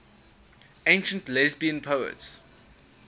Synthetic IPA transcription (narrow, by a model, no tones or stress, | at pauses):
ẽɪ̃nʃə̃ntlɛzbiə̃npʰoʊə̰ts